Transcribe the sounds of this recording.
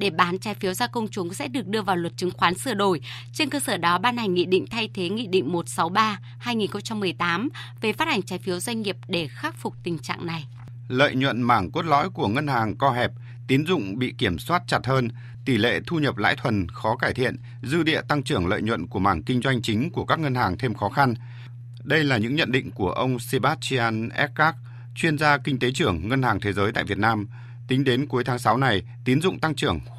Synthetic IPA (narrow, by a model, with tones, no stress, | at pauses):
ɗe˧˩ɓaː˨˦nt͡ɕaː˨˦jfi˨˦wzaː˧kə˧wŋ͡mt͡ɕʊ˨˦ŋ͡msɛ̰˧˥ɗɨ˨˩ək̚ɗɨ˧əvaː˨˩wlwə˨˩t̚t͡ɕɨ˨˦ŋxwaː˨˦nsɨ˧˩əɗo˧˩j | t͡ɕe˧nkəː˧səː˧˩ɗɔ˨˦ɓaː˧nha˨˩jŋ̟ːŋḭ˧˨ɗḭ̈˧˨ŋ̟t̪ʰa˧jt̪ʰe˨˦ŋḭ˧˨ɗḭ˧˨ŋ̟mo˨˩t̚sa˨˦wɓaː˧ | haː˧jŋi˨˩nxə˧ŋ͡mt͡ɕa˧mːɨ˨˩əjt̪aː˨˦m | ve˨˩faː˦˥t̚ʔa˨˩ŋ̟t͡ɕaː˨˦jfi˨˦əwzwa˧jŋ̟ŋi˨˩əp̚ɗe˧˩xaː˦˥k̚fʊ˨˩k͡p̚t̪ï˨˩ŋ̟t͡ɕa̰ː˧˨ŋna˨˩j | lə̰ː˧˨jɲwə̰˧˨nmaː˧˩ŋku˦˥t̚lɔ̰˧˥jku˧˩əŋə˧nhaː˨˩ŋkɔ˧ɦɛ˨˩p̚ | t̪i˨˦ənzʊ̰˧˨ŋ͡mɓḭ˧˨ki˧˩əmswaː˦˥t̚t͡ɕa˨˩t̚həː˧n | t̪i˧˩lḛ˧˨t̪ʰu˧ɲə˨˩p̚la̰ː˧˥jt̪ʰwə˨˩nxɔ˨˦kaː˧˩jt̪ʰḭ˧˨ən | zɨ̰˧ɗḭ˧˨ət̪a˧ŋt͡ɕɨ˧˩əŋlə̰ː˧˨jɲwə̰˧˨nku˧˩əmaː˧˩ŋkï˧ŋ̟zwa˧jŋ̟t͡ɕï˨˦ŋ̟ku˧˩əkaː˦˥k̚ŋə˧nhaː˨˩ŋt̪ʰe˧mxɔ˨˦xa˧n | ɗə˧jlaː˨˩ɲɨ̰˧˥ŋɲə̰˧˨nɗḭ̈˧˨ŋ̟ku˧˩əʔə˧wŋ͡msi˧ɓaː˦˥t̚t͡ɕi˧aː˧nʔɛ˦˥k̚kaː˦˥k̚ | t͡ɕwi˧ənzaː˧kï˧ŋ̟t̪e˨˦t͡ɕɨ˧˩əŋːə˧nhaː˨˩ŋt̪ʰe˨˦zəː˨˦jt̪a̰ː˧˨jvi˨˩ət̚naː˧m | t̪ï˨˦ŋ̟ɗe˨˦nku˨˦jt̪ʰaː˨˦ŋsa˨˦wna˨˩j | t̪i˨˦ənzʊ̰˧˨ŋ͡mt̪a˧ŋt͡ɕɨ˧˩əŋ